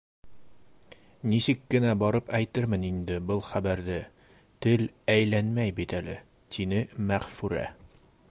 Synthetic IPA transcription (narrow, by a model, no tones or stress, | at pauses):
nisɘkːɘ̆næbɒɾɤpæjt̪ɘɾmɘnind̪ɘbɤlˠχæbæɾðɘ | t̪ɘlæjlænmæjbit̪ælɘ | t̪ʰinɘmæʁfʉɾæ̰